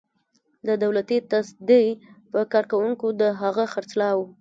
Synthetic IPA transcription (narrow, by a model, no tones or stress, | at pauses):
d̪əd̪awlat̪it̪asd̪əjpəkɑɾkawuŋkod̪əɦaɣəxaɾt͡slɑwu